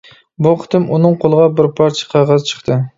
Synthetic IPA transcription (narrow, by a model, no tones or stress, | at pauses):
buqʰə̥t̪ʰɨmunɨŋqʰolˠəʁɑbɪɾpʰɑɾt͡ʃʰɪ̥qʰɑʁɑzt͡ʃʰə̥χt̪ʰɨ